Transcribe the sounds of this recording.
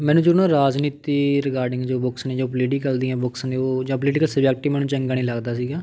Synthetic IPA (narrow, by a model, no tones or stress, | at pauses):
mɛ̃ːnũːd͡ʒʊɾnãːɾaːd͡ʒniːt̪iːɾɪkaːɾɖɪ̃ŋɡd͡ʒoːbʊksneːd͡ʒaːp̬liːɖĩːkəld̪iːɛ̃ːbʊksneːoːd͡ʒãːp̬lɪʈɪkəlsəbɛːk̚ʈiːmɛːnũːt͡ʃəŋɡaːnĩːləɡd̪aːs̬iːɡaː